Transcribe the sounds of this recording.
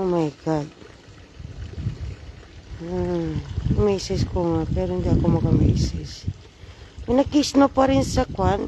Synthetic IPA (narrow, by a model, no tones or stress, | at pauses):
omajɡad̪̚ | a | mejsiskoŋapeɾond̪iako̞maɡamḛjses | minakisnopaɾinsakwan